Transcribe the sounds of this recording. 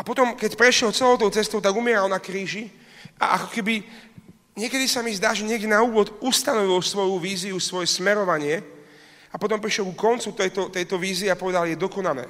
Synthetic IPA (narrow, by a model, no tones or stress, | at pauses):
apɔt̪ɔmkɛcpɾɛʃɪɛlt͡sɛlɔʊt̪ɔʊt͡sɛst̪ɔʊt̪aɡumɪɛɾalnakɾiːʒi | a̰ʔakɔ̥kɛbi | ɲɪɛkɛd̪isamizd̪aːʒɛɲɪɛɡɟɛnauːʋɔd̪ust̪anɔʋilsʋɔjuʋiːziusʋɔjɛsmɛɾɔʋaɲɪɛ | apɔt̪ɔmpɾiʃjɛlkukɔnt͡sut̪ɛjt̪ɔt̪ɛjt̪ɔʋiːziːapɔʋɛd̪aljɛd̪ɔkɔnalɛ̰ː